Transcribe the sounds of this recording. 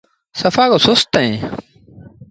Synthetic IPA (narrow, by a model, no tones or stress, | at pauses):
səfaːkoːsʊst̪əẽː